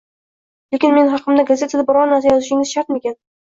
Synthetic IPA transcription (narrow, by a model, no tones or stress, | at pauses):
le̞kʲɪnme̞nɦɑqʰɨmd̪aɡazʲe̞t̪ʰad̪abɒɾɒnaɾs̬ajɒzɪʃɪŋɪz̥ʃaɾt̪mekʲan